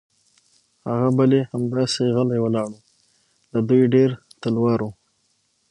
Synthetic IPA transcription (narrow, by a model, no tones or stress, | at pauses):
haɣabalehamd̪ɑseɣalajwəlɑɽu | lad̪ujɖeɾ | t̪əlwɑɾu